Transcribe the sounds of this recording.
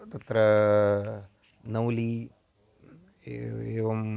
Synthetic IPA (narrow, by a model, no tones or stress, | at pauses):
t̪ɐt̪ɾɐ | nɐwli | eːʋɐm